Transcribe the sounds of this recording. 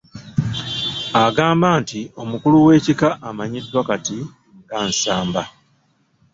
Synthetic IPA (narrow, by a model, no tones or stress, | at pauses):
aɡaːmbaːntio̞mukuluwe̞ːcikaʔːmaɲidːwakati | ŋɡaːnsaːmba